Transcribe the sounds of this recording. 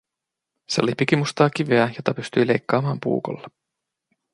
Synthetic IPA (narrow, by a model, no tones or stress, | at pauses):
se̞olipik̟imust̪ɑːk̟iʋeæjo̞t̪ɑpyst̪yjlejkːɑːmɑːmpṵːko̰lːɑ